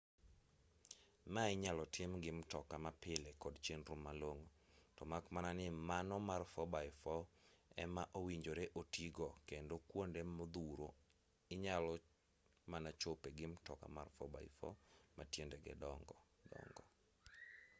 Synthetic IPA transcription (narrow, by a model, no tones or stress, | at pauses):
maɪɲalɔtʰɪmɡɪmtɔkamapɪlɛkɔdt͡ʃenɾʊmːaloŋo | tɔmakmananɪmanɔmarfɔbaɪfɔɛ̰maʔowiɲd͡ʒoɾeʔotʰiɡɔkendokwondemɔd̪uɾo | ɪɲalɔ | manat͡ʃopeɡɪmtɔka̰marfɔba̰ɪfɔ̰matjendɛɡɛ̰dɔŋɡɔ | dɔ̰ŋɡɔ